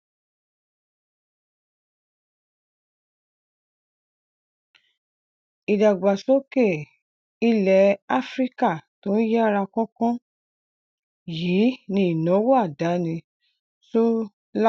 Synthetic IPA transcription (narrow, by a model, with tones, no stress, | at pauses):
i˨da˨ɡ͡ba˨so˦ke˦˨ | i˦lɛ˨˦a˦fɾi˦ka˦˨to˨˦n̩˦jɛ˦a˦ɾa˧kɔ̃˦kɔ̃˦ | jiː˨˦nĩ˧i˨nɔ̃˨˦wo˦a˦˨da˨˦nĩ˧ | so˦ | l